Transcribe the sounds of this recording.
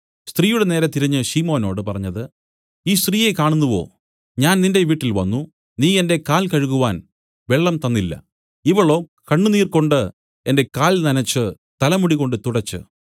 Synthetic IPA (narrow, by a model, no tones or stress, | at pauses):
st̪riːjuɽene̞ːɾɐt̪iɾɐɲːɨɕiːmo̞ːno̞ːɽɨpɐrɐɲːɐðɨ | iːst̪riːje̞kaːɳunːuʋo̞̰ː | ɲaːnninde̞ʋiːʈːilʋɐ̰nːu | niːe̞nde̞kaːlkɐɻuɣuʋaːn | ʋeɭːɐmt̪ɐnːilːɐ̰ | iʋɐɭo̞ː | kɐɳːuniːrko̞ɳɖɨ | e̞nde̞kaːlnɐnɐt͡ɕːɨ | t̪ɐlɐmuɽiɣo̞ɳɖɨt̪uɽɐt͡ɕːɨ̰